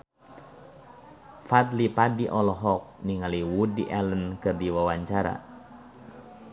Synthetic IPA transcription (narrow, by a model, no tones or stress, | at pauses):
fat̪lipadiʔɔlɔɦɔk̚niŋaliwudiʔɛlənkərdiwawaɲt͡ʃaɾa̰